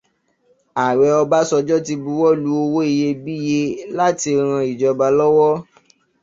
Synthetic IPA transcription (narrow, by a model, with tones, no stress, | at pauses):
a˨ɾɛ˧ɔ˧ba˦sɔ˧d͡ʒɔ˦ti˧bu˧wɔ˦lu˨˦o˧wo˦i˧je˧bi˦je˧la˦ti˧ɾ̃ã˧i˨d͡ʒɔ˧ba˧lɔ˦wɔ˦